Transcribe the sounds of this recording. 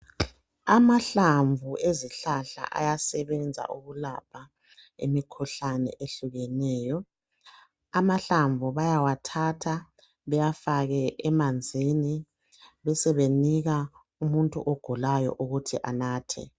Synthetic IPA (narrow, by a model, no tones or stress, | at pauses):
amaɬaɱvʱueziɬaɬa̰ʔa̰jasɛβɛnd͡zʱa̰ʔuɣulapʰa | ḛmikʰuɬanɛ̰ʔeɬuɣɛnɛːjɔ | amaɬaɱvʱuβajawatʰatʰa | βɛjafaɣɛʔɛmand͡zʱini | βɛsɛβeniɣa | umuntʼṵʔɔɡ̥ʱulajɔ̰ʔuɣutʰḭʔanaːtʰɛ̰